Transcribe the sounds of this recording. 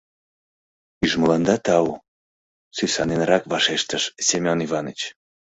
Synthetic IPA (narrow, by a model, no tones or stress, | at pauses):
yʒməlɑnd̪ɑt̪ɑu | sysɑnenɾɑkβɑʃeʃt̪əʃsʲemʲonivɑnət͡ɕ